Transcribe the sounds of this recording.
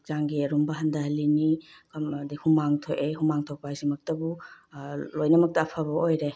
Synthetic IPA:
zaŋɡiɐɾumbɐɦɐndaɦɐlːinikɐmdihumaŋtʰoʔeɦumaŋtʰow̚pajsimɐk̚tɐbu | lojnɐmɐk̚tɐːpʰabɐojɾe

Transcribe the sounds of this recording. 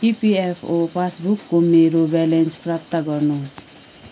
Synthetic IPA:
ipiepʰopʰasbukːumeɾobɛlɛnspɾapt̪aɡɔɾnɔs

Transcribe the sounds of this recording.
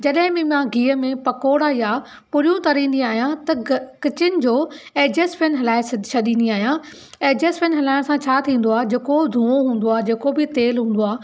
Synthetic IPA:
d͡ʑɐɗɦɪ̃mɪ̃mãɡiːəmẽpɐkoːɽaja | pʊɾijũt̪ɐɾĩːnd̪iaːɦijãt̪ɐkɪt͡ɕɪnɪ̆d͡ʑoː | eːd͡ʑeːsfɪnɦɐlaːɪst͡ɕʰɐɗĩːnd̪iaːɦijã | ɛːd͡ʑeːsfʰɪnɦɐlaːɪɽ̃sãt͡ɕʰaːt̪ʰĩːn̆d̪oaːd͡ʑeːkod̪ʱũːoɦũːn̆d̪oaːd͡ʑeːkobɪt̪eːlɦũːn̆d̪oaː

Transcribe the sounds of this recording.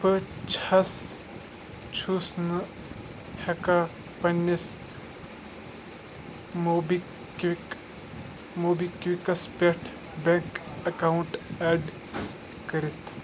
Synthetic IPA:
pət͡ʃʰɐs | t͡ʃʰusnɨ | heka | pɐnːis | mbi | ki | moːbikʋikɐspeʈʰ | beŋkɐkauɳʈɛːɖ | kəɾit̪ʰ

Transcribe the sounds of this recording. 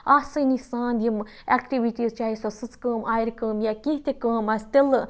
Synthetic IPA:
aːsɨnisaːnd̪jim | ekʈiʋiʈiːzt͡ʃaːisɐsɨt͡skəːmaːjiɾʲkəːmjakiɦt̪ekəːmasʲt̪el

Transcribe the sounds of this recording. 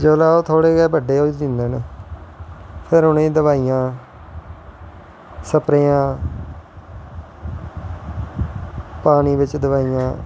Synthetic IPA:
d͡ʒoːlaːoːt̪ʰoːɽeːɡɛːbəɖeːoːid͡ʒ̪ɪnd̪eːne | pʰɪɾʊnẽːd̪əβaːijãː | səpɾeːãː | paːniːbɪt͡ʃd̪əβaːiːjãː

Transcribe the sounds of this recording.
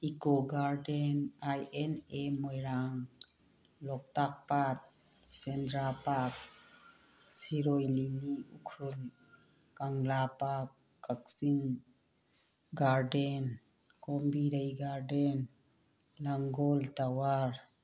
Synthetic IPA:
ikɔɡaɾɖenajenemɔjɾaŋ | lɔk̚t̪ak̚pat̪̚ | sɛnd̪ɾapak̚ | siɾɔjliniukʰɾul | kaŋlapakː | aksiŋ | ɡaɾɖen | kɔmbiɾajɡaɾɖen | laŋɡɔlt̪awaɾ

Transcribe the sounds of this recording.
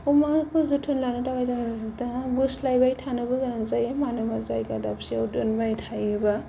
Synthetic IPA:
umakʰuzutʰunlanɯtawajdaŋzdabuslajbajtʰanɯbaɡaɾaŋzajamanɯmazajɡadapsiawdunbajtʰajɯba

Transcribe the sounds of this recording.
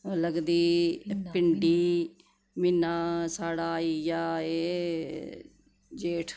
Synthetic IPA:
ləɡd̪iːpɪɳɖiː | mɪnːaːsaːɽaːiːjaːeː | d͡ʒeːʈʰ

